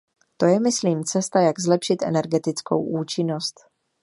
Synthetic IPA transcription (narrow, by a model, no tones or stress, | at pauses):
t̪o̞jɛmɪsliːmt͡sɛst̪ajaɡzlɛpʃɪt̪ʔɛ̰nɛɾɡɛt̪ɪt͡sko̰wʔuːt͡ʃɪno̞st̪